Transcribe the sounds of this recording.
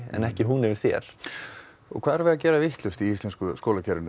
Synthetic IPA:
ɛ̰nɛhcɪɦunɛvɪɾ̥θjɛ̰ɾ̥ | ɔ̰kʰvaːðɛɾvɪðacɛːɾavɪht̪lʏst̪iist̪ɛnskʏskɔːlacʰɛɾɪn

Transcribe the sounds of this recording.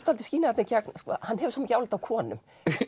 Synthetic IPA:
t̪alt̪ɪ̥sciːnaat̪ɪcaknskɔ̰ːhanːhɦɛvʏ̥sɔːmɪcaːwlɪt̪awkʰɔːnʏ̰m

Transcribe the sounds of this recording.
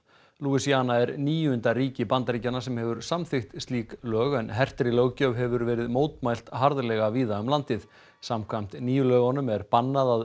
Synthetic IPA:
luɪsiaːnaɛɾniːjʏʏnt̪aɾiːcɪpant̪aɾiːcanasɛmhɦɛvʏɾ̥samθɪxt̪st̪liːklœːɣɛnɦɛr̥t̪ɾɪlœɣcœvɦɛvʏɾvɛːɾɪðmoːwt̪majl̥t̪ɦaɾðlɛɣaviːðaʏmlant̪ɪð | samkʰvajm̥t̪niːjʏlœːɣɔnʏmɛɾpanːaðað

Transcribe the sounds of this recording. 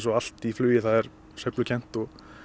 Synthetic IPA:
sɔal̥t̪iflʏːjɪθaðɛɾ | sejplʏcʰɛn̥t̪ɔɣ

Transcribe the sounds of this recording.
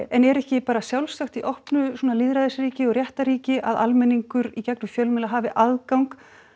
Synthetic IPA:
ɛnɛɾɛhcɪpaːɾasjawlsaxt̪iʔɔhpnʏsuːnaliːðɾaðɛsɾiːcɪɔɾrjɛht̪aɾiːcɪʔa̰ða̰lmɛniŋkʏɾicɛk̚nʏfjœlmɛːlaɦaːvɪʔaðkawŋk

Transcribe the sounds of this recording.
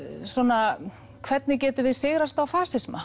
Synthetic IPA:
sɔna | kʰvɛt̪nɪcɛːt̪ʏvɪðsɪɣɾast̪awfaːsɪsma

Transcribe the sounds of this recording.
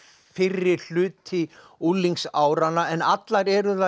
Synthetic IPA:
fɪrːɪɾ̥l̥ʏːt̪ʰɪ | ulːiŋksaːwɾanːaɛnat̪laɾɛɾʏθa

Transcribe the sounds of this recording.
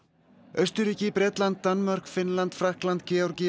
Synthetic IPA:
œst̪ʏɾiːcɪpɾɛːt̪lant̪ːanmœr̥kfɪnlant̪fɾahklant̪cɛɔɾcɛ

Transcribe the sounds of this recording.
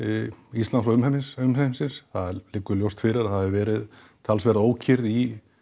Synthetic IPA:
ist̪lansɔʏmhɛmːɪsʏmhɛnɪnsɪnsθaðlɪkːʏɾljowst̪fɪɾɪɾaaðɪvɛːɾɪð | t̪ʰalsvɛɾðoːwcʰɪɾði

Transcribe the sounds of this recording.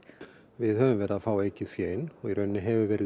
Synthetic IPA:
vɪðhœvʏmvɛːɾɪðaðfaːwejcɪθjɛːjnɔɣiɾʔœɥnːɪɦɛvɪvɛːɾɪ

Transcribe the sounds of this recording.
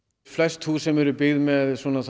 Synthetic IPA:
flɛst̪husɛmɛɾʏpɪɣðmɛðswɔːnaθ

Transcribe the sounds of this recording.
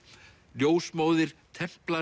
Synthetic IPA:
ljoːwsmoːwðɪɾ̥t̪ʰɛm̥pla

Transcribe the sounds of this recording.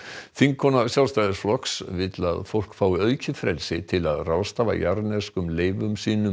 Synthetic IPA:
θiŋkʰɔnasjawlst̪ajðɪsflɔksvɪt̪la̰ðfowl̥kfaːwɪœːɥcɪfɾɛlsɪt̪ʰɪlaðrawst̪aːva̰jaɾnɛskʏmleːjvʏmsiːnʏm

